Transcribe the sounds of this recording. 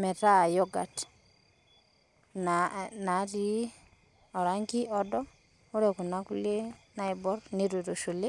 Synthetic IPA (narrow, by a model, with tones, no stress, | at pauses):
mɛ˨ta˦˨jɔ˦ɡa̰˨t | nana˨˦ɾi˦ | ɔ˨ɾa˦ŋɡi˦ʔɔ˦dɔ˦ | ʊ˦ɾɛ˨ku˨na˦ku˦le˦na˦i˦bɔ˦ɾni˦ɾu˨ɾo˨ʃu˨le˦